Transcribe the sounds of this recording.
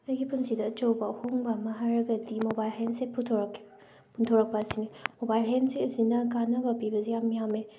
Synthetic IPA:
ɐjɡipʰunsidɐːt͡ʃowbɐhoŋbamɐɦaɾɐɡɐdimobajlɦensepʰutʰoɾk | pʰuntʰoɾɐk̚pasinimobajlɦenseɐzinɐɡanɐbɐpibɐzejamːijame

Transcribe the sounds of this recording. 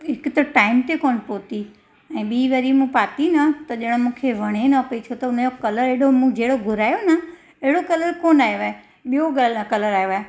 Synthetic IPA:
ɦɪkt̪ɐʈaːɪmt̪ekoːnɪpoːt̪i | ɛ̃ːɓiːʋɐɾimũpaːt̪inɐt̪ɐʄɐɽ̃mũːkʰeʋɐɽ̃enɐpɐit͡ɕʰot̪ɐʊnd͡ʑokɐləɾeɦɽomũd͡ʑeːɽoɡʱʊɾaːjonə | eɦɪɽokɐləɾkoːnaːeʋaːe | ɓijoɠalnɐkɐləɾaːɦoʋa

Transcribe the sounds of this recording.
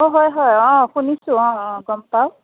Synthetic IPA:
oɦɔjɦɔjɔ̃xunisʊ̃ɔ̃ɔ̃ɡɔmpaw

